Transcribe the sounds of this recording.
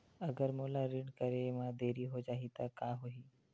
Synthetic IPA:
əɡəɾmoːlaɾɪɳkəɾemãd̪eːɾiɦod͡ʒaːɦit̪akaːɦoɦiː

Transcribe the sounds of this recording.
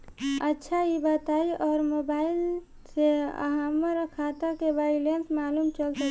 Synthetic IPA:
ətːʃʰaibət̪aiʔɔːɾmobail | seə̰ɦamːəɾəkʰat̪akebailensmalumt͡ʃəlsə

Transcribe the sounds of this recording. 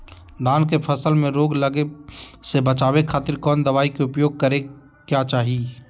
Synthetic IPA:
d̪aːnkepʰəsəlmẽɾoːɡləɡesebət͡ʃaːwekʰaːt̪ɪɾkɔːnd̪əʋaːikeʊpjoːɡ̚kəɾe | kjat͡ʃaːɦi

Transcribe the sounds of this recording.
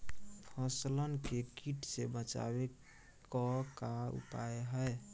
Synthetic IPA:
pʰəslənkekiʈsebət͡ʃa̰βe | kɔkaṵpa̰eɦəe

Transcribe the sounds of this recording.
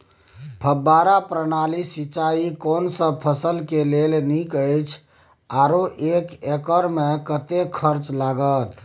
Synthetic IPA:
pʰəbːaɾapɾənalisit͡ʃaikonsə̃pʰəsəlkelelnikəjt͡ʃʰ | aɾoʔekekəɾmekət̪ekʰəɾt͡ʃlaɡət̪

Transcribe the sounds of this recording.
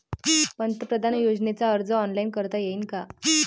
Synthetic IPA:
pənt̪əpɾəd̪ʱanjod͡znet͡saəɾd͡zəɔnlainkəɾt̪ajeiːnka

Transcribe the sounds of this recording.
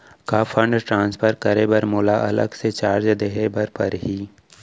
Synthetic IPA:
kafʰə̃ɳɖʈɾãːnspʰəɾkəɾebəɾmʊːlaʔɐ̰lə̰ɡset͡ʃaːɾd͡ʒd̪eɦebəɾpɐɾɦiː

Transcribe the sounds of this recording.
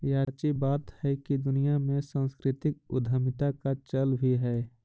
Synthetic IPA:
jaːt͡ʃibaːt̪hɛkid̪ʊnijamẽsãːnskɾɪt̪ɪk̚ʊ̰d̪ʱəmɪt̪akat͡ʃəlbʱiɦɛː

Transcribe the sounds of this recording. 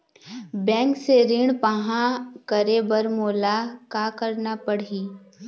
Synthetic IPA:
bɛ̃ːŋkseɾɪɳpɐɦãkəɾebəɾmoːlakakəɾnapəɽiː

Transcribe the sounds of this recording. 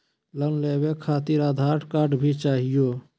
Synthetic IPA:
lənlebekʰat̪iɾad̪ʱaɾʈkaːɾɖbʱit͡ʃaːɦijo

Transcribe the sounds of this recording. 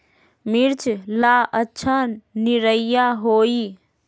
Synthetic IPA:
miɾt͡ʃʰlaətːʃʰaniɾəjjaɦoi

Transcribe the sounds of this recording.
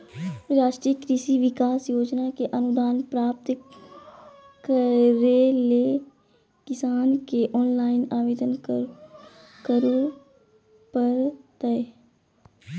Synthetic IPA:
ɾaːʃʈɾijəkɾɪʃiʋɪkaːsjoːd͡ʒnakeʔənʊd̪aːnpɾaːp̚t̪ | ɾeleː | kɪsaːnkeʔɔːnlaːɪnaːʋeːd̪ən | kəɾu | pəɾt̪əe

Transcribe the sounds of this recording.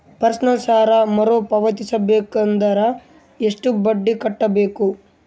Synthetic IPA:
pɐɾsɐnɐlsaːɾɐmɐɾoːpɐʋɐt̪isɐbeːkɐnd̪ɐɾɐ | eʂʈubɐɖːikɐʈːɐbe̞ːku

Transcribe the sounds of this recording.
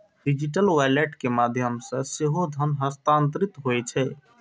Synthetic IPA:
ɖid͡ʒiʈəlwajleʈkemad̪ʱjəmsə̃seɦod̪ʱənɦəst̪ant̪ɾit̪ɦoɛt͡ʃʰɛ

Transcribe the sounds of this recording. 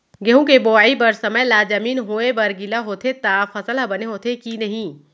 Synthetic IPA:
ɡeɦũkeboaːibɐɾsɐməjlaːd͡ʒɐmiːnɦoːebɐɾɡɪlaɦoːt̪ʰet̪aːfɐsəlɦɐbɐneɦoːt̪ʰekinɐɦĩː

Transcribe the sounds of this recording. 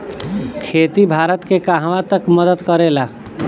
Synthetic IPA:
kʰeːt̪ibʱaːɾət̪kekaɦʋãt̪əkməd̪əd̪kəɾela

